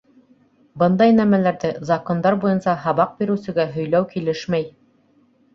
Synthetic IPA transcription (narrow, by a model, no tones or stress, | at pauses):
bɤnd̪ɑjnæmælæɾðɘzɐkond̪ɑɾbujɤnsɑɦɑβɑq̚biɾɘ̆wsɘ̆ɡæɦɵ̆jlæwkilɘʃmæj